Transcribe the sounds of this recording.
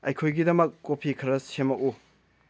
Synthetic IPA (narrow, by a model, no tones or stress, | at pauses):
ɐjkʰojɡidɐmɐkːopʰikʰɐɾɐsemɐku